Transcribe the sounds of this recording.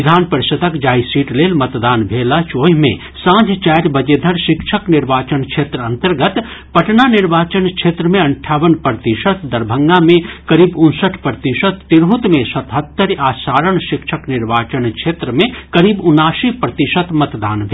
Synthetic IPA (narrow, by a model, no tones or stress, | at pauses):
d̪ʱaːnpəɾɪsət̪əkd͡ʒaːisiːʈleːlmɐt̪d̪aːnbʱeːlat͡ʃoːɦmẽ | sãːd͡ʒʱt͡ʃaːɾbəd͡ʒed̪ʱəɾʃɪkʃʰəknɪɾʋaːt͡ʃənkʃʰeːt̪ɾəɐ̃nt̪əɾɡət̪pɐʈnanɪɾʋaːt͡ʃənkʃʰeːt̪ɾəmẽɐɳʈʰaːʋənpɾət̪iʃət̪d̪ɐɾbʱəŋɡamẽkɐɾiːbʊnsəʈʰpɾət̪iʃət̪ːiɾɦut̪mẽsɐt̪ɦət̪ːəɾaːsaːɾəɳʃɪkʃʰəknɪɾʋaːt͡ʃənkʃʰeːt̪ɾəmẽkɐɾiːbʊnaːsipɾət̪iʃət̪mɐt̪d̪aːnbʱe